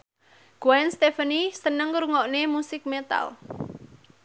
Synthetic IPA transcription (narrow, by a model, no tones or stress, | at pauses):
ɡ̥wɛnst̪efənisənəŋɾuŋɔʔnemusɪk̚met̪a̰l